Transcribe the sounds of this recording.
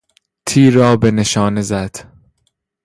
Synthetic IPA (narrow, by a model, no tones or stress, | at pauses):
t̪ʰiːɾɒːbe̞neʃɒːnezæd̪̥